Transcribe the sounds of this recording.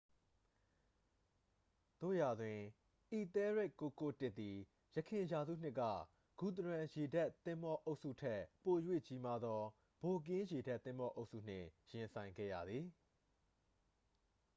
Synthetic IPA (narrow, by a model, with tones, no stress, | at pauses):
t̪o̰˦˨ja˨dwɪ̃˨ | ʔi˨t̪ɛ˦ɹe˦˨kːo˨ko˦˨tɪ˦t̪t̪ːi˨ | jə˨kʰɪ̃˨ja˨zṵ˦˨n̥ɪ˦ʔkːä̰˦˨ | ɡ̥u˨t̪əɹã˨je˨da˦˨t̪ɪ̃˦mbɔ˦ʔo˦ʊʔsṵ˦˨tʰɛ˦˨po˨jwḛ˦˨t͡ɕi˦ma˦d̪ɔ˦ | b̥o˨k̬ɪ̃˦je˨da˦t̪ːɪ̃˦mbɔ˦ʔo˦ʊʔsṵ˦˨n̥ɪ̰̃˦˨jɪ̃˨nsʰã˨ɪ̃ŋɡɛ̰˦˨jä̰˦˨d̪ði˨